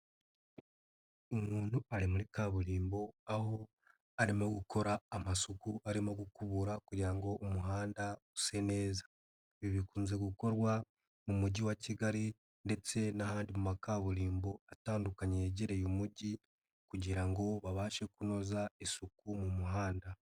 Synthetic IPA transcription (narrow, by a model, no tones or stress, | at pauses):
umuːnuaɾimuɾikaβuɾiːmbo̞aho̞ | aɾimoɡukʰo̞ɾaːmasukuaɾimoɡukuβuɾakuɟiɾaŋɡo̞ʔːmuɦaːndause̞ne̞ːzḁ | βiβikuːnze̞ɡuko̞ɾwa | mumuɟiwaciɡaɾi | nde̞t͡se̞nahaːndimumakaβuɾiːmbo̞ataːndukaɲeːɟeɾe̞jomuɟi | kuɟiɾaŋɡo̞βaβaːʃe̞kuno̞zaisukumumuɦaːnda